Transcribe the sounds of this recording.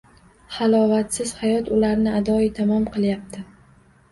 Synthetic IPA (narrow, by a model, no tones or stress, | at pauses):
halˠɒvat̪sɪz̥hajɒt̪ʊlaɾnɪad̪ɒit̪ʰamɒmqʰɨlˠjap̚t̪ʰɪ